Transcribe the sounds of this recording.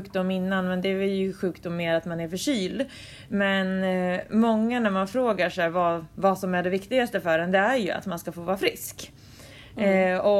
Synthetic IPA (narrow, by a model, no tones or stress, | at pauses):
ʉːkd̪ʊmːɪnːanmɛnd̪ɛɛjɵɧʉ̟ːkd̪ʊmːeːɾat̪manæɾfœʂyːld̪ | mɛnmɔŋːanæɾmanfɾoːɡaʂɛvɑvasɔmæɖɛvɪkt̪ɪɡast̪əfœɖɛnd̪ɛæɾjɵa̰t̪manskafoːvɑːɾafɾɪsk | ɔ